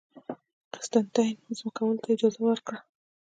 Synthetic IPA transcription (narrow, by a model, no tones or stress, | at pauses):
qɪ̥st̪ant̪ajnzmakawəlot̪aɪd͡ʒɑzawəɾkɽa